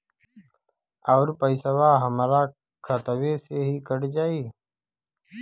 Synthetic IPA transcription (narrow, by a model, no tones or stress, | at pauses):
əːɾpəɪsəʋaːɦəmɾaː | kʰət̪əʋeːseːɦiːkəɽd͡ʒaːiː